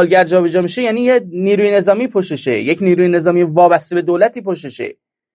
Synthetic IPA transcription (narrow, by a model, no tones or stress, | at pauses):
lɟæɾd͡ʒɒːbed͡ʒɒːmiʃejæniːjeniːɾuːjene̞zɒːmiːpʰoʃeʃḛjecʰniːɾuːjene̞zɒːmiːjvɒːbæst̪ebe̞d̪olæt̪ʰiːpoʃ̬eʃḛ